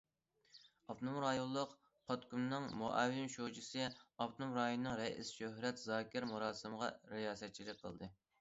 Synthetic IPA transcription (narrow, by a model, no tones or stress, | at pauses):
ɑp̪numɾɑjolˠːʊq | qʰɑt̪kʲumnɨŋmoʔɛ̰wːɪnʃod͡ʒisɨɑpt̪numɾɑjonɨnɨŋɾɛḭsʃøhɾɛt̪zɑːkʲɪɾmuɾɑːsɨməʁɑ̰ɾɪjɑːsɛt̪̚t͡ʃʰilɪk̚ʲqʰəlˠd̪ɨ